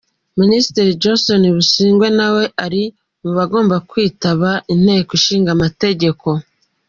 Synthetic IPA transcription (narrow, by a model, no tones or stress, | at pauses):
ministiɾid͡ʒonso̞niβuʃiːŋɡwe̞nawe̞ʔaɾi | muβaɡo̞ːmbakwiːtaβaʔin̥he̞ːkoʃiːŋɡamate̞ɟe̞ko̞